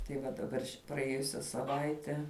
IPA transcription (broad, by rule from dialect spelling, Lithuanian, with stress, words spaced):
tɐɪ ˈʋɐ dɐˈbɐr ʃʲɪ prɐˈeːjʊsʲɛ sɐˈʋɐɪtʲɛ